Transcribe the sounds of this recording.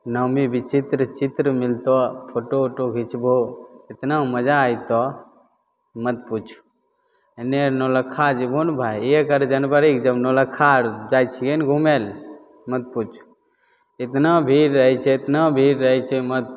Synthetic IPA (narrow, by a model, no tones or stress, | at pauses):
nɔmibʱit͡ʃit̪ɾət͡ʃit̪ɾəmilt̪opʰoʈoʈoɡʱit͡ʃʰbʱoɪt̪namɐd͡ʒaːjt̪ɔ | mət̪̚put͡ʃʰu̥ | enenoləkʰːad͡ʒibʱunbʱajekəɾd͡ʒɐnbəɾikd͡ʒəbnoləkʰːaɾd͡ʒaːjt͡ʃʰiɡenɡʱumel | mət̪̚put͡ʃʰu̥ | ɪt̪nabʱiːɾːəɦit͡ʃʰɛɪt̪nabʱiɾːəɦit͡ʃʰɛməd̪̚